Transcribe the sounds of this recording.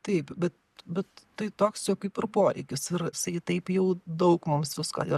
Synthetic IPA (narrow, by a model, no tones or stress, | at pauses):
t̪ɛɪpbʲɛt̪ | bʲɛt̪tːɐɪt̪oːksjɛʊkɐɪpɪɾpoːɾʲɛ̰ɪkʲʊsɪɾsɐɪt̪ʲɐɪpjɛʊd̪ɐʊkmʊmsʋʲɪskɑ̰ːjɛ